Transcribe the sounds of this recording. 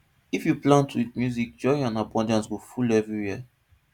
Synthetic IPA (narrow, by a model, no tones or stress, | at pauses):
ifjuplãntʰitmjuzik̚d͡ʒɔɪãnabɔ̃ndãnsɡofulɛvɹiwiə